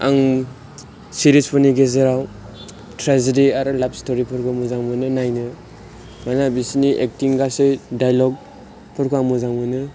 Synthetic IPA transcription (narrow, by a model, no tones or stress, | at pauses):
a̰ŋ | siɾispʰɔniɡezeɾaw | tɾazediaɾɯlap̚stoɾipʰɯɾkʰamuzaŋmɯnɯnajnɯ | manabisiniʔḛk̚tiŋɡasejdajlɔɡ̚ | pʰɯɾkʰaŋmuzaŋmɯnɯ